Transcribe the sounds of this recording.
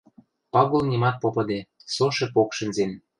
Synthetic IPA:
pɑɣolnʲimɑt̪̚popɤ̆d̪esoʃĕpokʃə̆nzen

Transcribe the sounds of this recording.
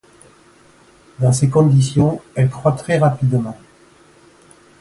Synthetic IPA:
d̪ɑ̃sekɔ̃d̪isjɔ̃ɛlkχwat̪χɛʁapid̪mɑ̃

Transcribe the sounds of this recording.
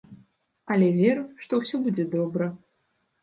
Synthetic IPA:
ɐlʲɛvʲɛɾɨwʂt̪ɔwsʲɔbud͡zʲɛd̪ɔbɾɐ

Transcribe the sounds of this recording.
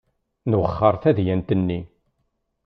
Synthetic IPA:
nwəχːəɾˤθæðjænt̪ənːi

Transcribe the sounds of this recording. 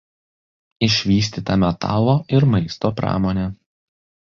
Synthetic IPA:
ɪʃʲʋʲiːsʲt̪ʲiːt̪ɐmʲɛt̪ɑ̰ːlˠoːʔɪɾmɐɪst̪oːpɾɑ̰ːmoːnʲe

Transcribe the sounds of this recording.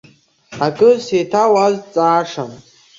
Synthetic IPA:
akʼɨsetʰawazt͡sʼaːʂam

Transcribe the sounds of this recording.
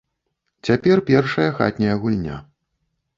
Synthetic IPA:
t͡sʲapʲɛrpʲɛrʂɐjɐxa̰t̪ʲnʲɐjɐɣulʲnʲa̰

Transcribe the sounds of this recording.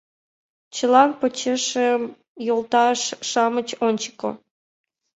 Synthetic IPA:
t͡ɕəlɑnpot͡ɕeʃem | jolt̪ɑʃːɑmət͡ɕonʲt͡ɕə̥ko̰

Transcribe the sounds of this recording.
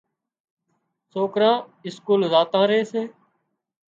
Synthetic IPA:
soːkɾãː | ɪskuːlzaːt̪ãːɾeːsẽː

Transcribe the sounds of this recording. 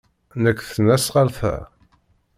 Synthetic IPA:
nəkːθənæsʁalfæ̰

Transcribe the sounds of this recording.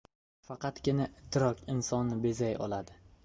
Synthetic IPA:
fɑqɑt̪kʲɪnaɪt̪ʰːɪɾɒkʲɪnsɒnːɪbe̞zajɒ̰lˠad̪ɪ

